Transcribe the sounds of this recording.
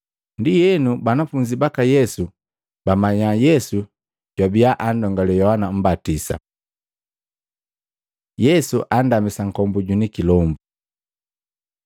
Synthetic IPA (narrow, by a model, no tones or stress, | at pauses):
ndijɛnubanafuɲd͡ʒibakajɛsu | bamaɲajɛsu | ɟ̥wabiaʔandɔŋɡalɛjɔhanam̩batisa̰ | jɛsuʔandamisaŋ̩kɔmbuɟunikilɔmbu